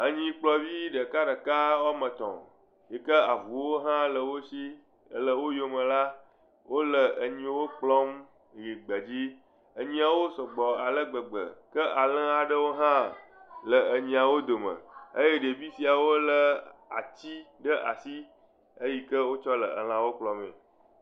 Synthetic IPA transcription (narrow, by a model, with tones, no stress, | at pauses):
ə˦ɲĩ˦k͡plɔ˦vi˦ɖə˨ka˦ɖə˨ka˦wa˦mə̃˨t̪ɔ̰̃˨ | je˨kə˦a˨vu˨wo˦ɦã˦lə˨wo˦ʃi˦ | lə˨wo˦jo˦mə̃˨la˦ | wʔo˦lə˨ə˨ɲĩ˦wo˦k͡plɔ˦m | ɣi˨ɡ͡bə˨d͡ʑi˦ | ə˨ɲĩ˦a˨wo˦sɔ˨ɡ͡bɔ˨a˨lə˦ɡ͡bə˨ɡ͡bə̰˨kə˦ʔa˨lə̃˦a˨ɖə˦wo˦ɦã˦lə˨ə˨ɲĩ˦a˨wo˦d̪o˨mə̰̃˨ə̰˦je˦ɖe˨vi˦si˨a˨wo˦lə˨a̰˨t͡ɕi˦ɖə˦ʔa˨si˦ | ə˦ji˦kə˦wo˦t͡ʃɔ˦lə̰˨ə̰˨l̃ã˨wo˦k͡plɔ˦mḛ̃˨